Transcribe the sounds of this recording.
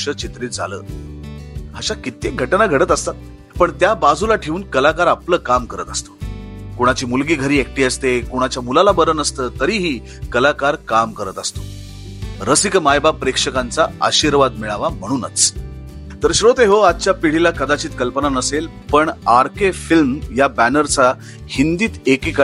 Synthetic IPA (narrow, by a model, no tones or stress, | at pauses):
ʂət͡ɕit̪ɾiːt̪̚d͡zʱa̰lə̰ː | ɦaɕakit̪eɡʱəʈnaɡʱəɽət̪əst̪at̪ | pəɳt̪jabad͡zʱulaʈʰeuːnkəlakaɾapləːkamkəɾə̰t̪əst̪o̥koɽ̃at͡ɕiːmulɡiːɡʱəɾiːek̚ʈiːəst̪ekoɽ̃at͡ɕjamulalabəɾənəst̪əːt̪əɾiːɦiː | kəlakaɾkamkəɾət̪əst̪o̥ | ɾəsikmajbapɾekʂəkant͡saa̰ɕiːɾʋad̪miɭaʋam̤əɽ̃uːnə̰t͡s | t̪əɾɕɾot̪eɦoad̪̚t͡ɕjapiɽ̤ilakəd̪at͡ɕiːt̪kəlpənanəsel | pəɳaɾkefilmjabænəɾt͡sa | hind̪iːt̪ekika